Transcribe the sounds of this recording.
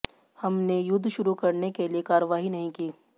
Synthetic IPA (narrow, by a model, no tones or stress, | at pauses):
hɐmnejʊd̪ʱːʃʊɾukɐɾnekeliekaːɾəʋaːɦinɐɦĩkiː